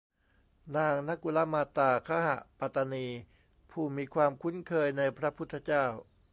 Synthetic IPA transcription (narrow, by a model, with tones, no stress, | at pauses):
naː˧ŋna˦˥ku˧la˦˥maː˧t̪aː˧˩kʰa˦˥ɦa̰˨˩ʔpa˨˩t̪ːa˧niː˧ | pʰuː˨˩miː˧kʰwaː˧mkʰu˦˥˩nkʰɤː˧jna˧jpʰɾa˦˥pʰu˦˥t̪ʰːa˧t͡ɕaː˥˩w